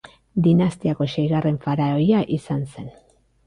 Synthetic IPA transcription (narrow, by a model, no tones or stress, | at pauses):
d̪inast̪iako̞ʃejɣare̞ɱfaɾaojaʔisanse̞n